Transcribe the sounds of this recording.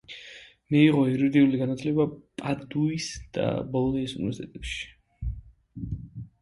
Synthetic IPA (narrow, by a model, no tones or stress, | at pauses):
miiʁɔɛɾɔd̪iuliɡanat̪ʰlɛbapʼad̪uisd̪̥a̰bɔlˠɔniisunivɛɾsit̪ʰʼɛt̪ʼɛpʃi̥